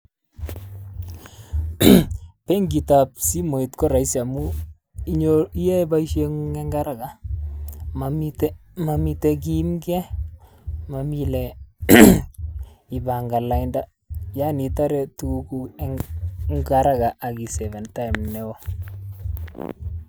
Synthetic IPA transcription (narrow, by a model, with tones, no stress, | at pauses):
pɛ˦ŋɡi˨ta˨p̚si˦mo˨i˨tkɔ˦ɾa˨i˦sa˨mu˦ | i˦ɲoi˦je˦ba˦iʃe˦ŋu˦ŋɛ˦ŋɡa˦ɾa˦ɡa˨ | mamtmami˨tɛ˦k̬i˦mɡɛ˦ | ma˨mi˦lɛ | i˨ba˨ŋɡa˨la˨inda˦ | ja˦ni˨ta˦ɾɛ˨tuu˦ku˦ɛŋŋɡaɾa˦ɡa˨ʔa˨ki˨sɛ˨vɛ˨nta˦jmnɛwo˦